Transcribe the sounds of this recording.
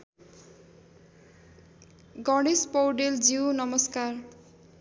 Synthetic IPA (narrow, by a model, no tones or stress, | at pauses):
ɡʌɽespʌwɖeld͡ziwnʌmʌskar